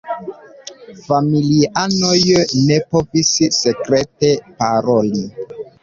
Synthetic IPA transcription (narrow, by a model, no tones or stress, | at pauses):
familianojnepovissekɾetepaɾoli